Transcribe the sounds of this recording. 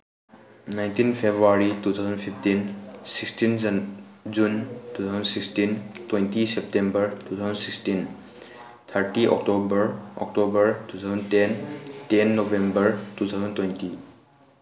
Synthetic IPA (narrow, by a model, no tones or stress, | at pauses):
najntinpʰebɾuaɹitut̪ʰawzɔnpʰipʰtinsikstin | zuntut̪ʰazɔnsikstintwejntisɛp̚tembəɹtut̪ʰawzɔnsikstin | t̪ʰaɾʈiʔɔ̰k̚tobəɹɔ̰k̚tobəɹtut̪ʰawzɔntɛntɛnːɔbembəɹtut̪ʰawzɔntwɔjnti